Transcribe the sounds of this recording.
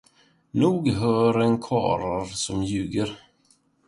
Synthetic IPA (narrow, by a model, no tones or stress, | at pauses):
nuːɡɦœːɾɛnkʰɑ̰ːɾaɾsɔmjʉ̟ːɡəɾ